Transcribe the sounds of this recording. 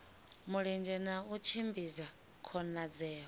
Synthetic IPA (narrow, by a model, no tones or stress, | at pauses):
muɺɛnd͡ʒɛnaut͡ʃʰimbiza | kʰɔnad͡zɛːɦɔ